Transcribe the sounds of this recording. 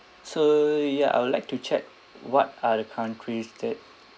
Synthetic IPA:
sojaʔa̰ɪjwudlaɪk̚tut͡ʃɛk̚ | wɔt̚adəkʰãʊ̃ntʰɹistet̚

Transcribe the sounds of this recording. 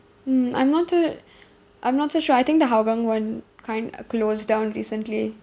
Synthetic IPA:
m̩ʔã̰j̃mnɔtso | ʔãɪ̃mnɔtsoʃɔajt̪ɪ̃ŋk̚d̪əɦaʊɡãŋwãnkʰãɪ̃ndkloːzdãʊ̃nɹiːsə̃ntli

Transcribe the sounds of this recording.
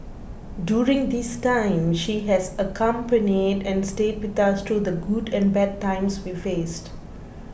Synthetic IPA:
djuːɾɪ̃ŋd̪istãɪ̃mʃiɦɛzəkʰʌ̃mpənidɛ̃nsʈeːd̚wɪt̪ast̪ʰɾud̪əɡudɛ̃nbɛd̚tãɪ̃mswifeːst

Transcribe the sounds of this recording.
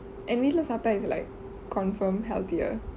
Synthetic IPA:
ʔɛ̃nmidl̩əsaplaisla̰ɪkʰː | ɔ̃nfə̃mɦɛ̰lt̪iə̰

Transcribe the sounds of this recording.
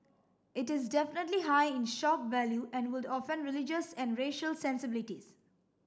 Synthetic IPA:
ɪʈɪzdɛfɪnəʈliɦaɪɪ̃nʃɔp̚væljuɛ̃nwɪdɔfə̃nɾɪlɪd͡ʒəsɛ̃nɖɾeʃəlsɛ̃nsɪbɪlɪʈiz

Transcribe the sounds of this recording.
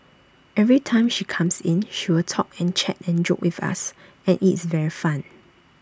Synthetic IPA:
ɛvɹitʰãɪ̃mʃikʰãmsĩnʃiwɪltʰɔkɛ̃nt͡ʃʰɛtɛ̃nd͡ʒo̰k̚wifa̰s | ɛ̃nʔitsvɛɹifãn

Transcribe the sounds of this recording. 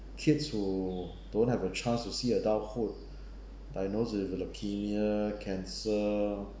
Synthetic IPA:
kʰitshu | dõnhɛvət͡ʃʰãnstusiədaʊt̚fut̚ | dajnosviləkʰiniəkʰɛ̃nsə

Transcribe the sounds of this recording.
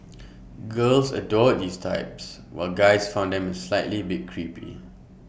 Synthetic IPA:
ɡəlsə̰dɔddistʰa̰ɪps | wa̰lɡaɪsfãʊ̃ndɛ̃məslaɪʔlibiɡ̚kʰɹipḭ

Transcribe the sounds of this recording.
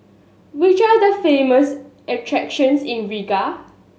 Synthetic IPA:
wit͡ʃadəfeməsʔɛtʰɹɛkʃə̃nsĩnɹiɡa

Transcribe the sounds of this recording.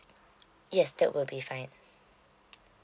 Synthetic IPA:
jɛsdə̰ʔwʔɪlbifãɪ̃n

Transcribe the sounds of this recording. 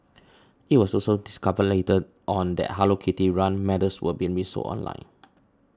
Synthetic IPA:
it̚wɔsɔsodiskapəletəd | ʔɔ̃ndɛ̰t̚ɦalokʰetiɹãnmɛdəswə̰bĩnɹiso̰ʔɔ̰̃nlã̰ɪ̃n

